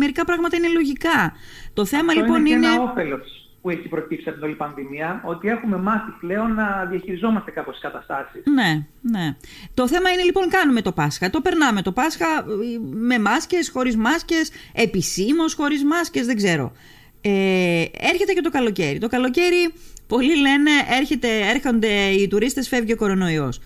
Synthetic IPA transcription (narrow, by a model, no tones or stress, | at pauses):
me̞ɾikɐpɾɐɣmɐt̪ɐine̞lo̞ʝikɐt̪o̞θe̞mɐllioipo̞nineofe̞lo̞s | pueçipɾo̞cipsiɐt̪inolipɐnðimiɐo̞t̪ie̞xume̞mɐθiple̞o̞nːɐðiɐçiɾizo̞mɐst̪ekɐposi̥skɐt̪ɐst̪ɐsisne | ne̞t̪o̞θe̞mɐine̞lipo̞ŋkɐnume̞t̪o̞pɐsxɐt̪o̞pe̞ɾnɐme̞t̪o̞pɐsxɐ | me̞mɐsce̞sxo̞ɾizmɐsce̞se̞pisimo̞sxo̞ɾizmɐsce̞zðe̞ɡze̞ɾo̞̰ | ee̞ɾçe̞t̪ece̞t̪o̞kɐlo̞ce̞ɾit̪o̞kɐlo̞ce̞ɾipo̞lile̞ne̞ʔe̞ɾçe̞t̪e̞eɾxo̞nd̪eit̪uɾist̪e̞sfe̞vʝeoko̞ɾo̞no̞io̞̰s